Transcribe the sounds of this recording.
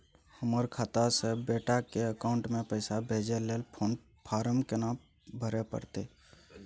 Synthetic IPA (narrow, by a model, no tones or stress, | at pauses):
həməɾkʰaːt̪asebeːʈakeəkaːʊ̃ɳʈmẽpəɪsabʱeːd͡ʒeleːlpʰoːn | pʰaːɾəmkena | bʱəɾepə̰ɾt̪e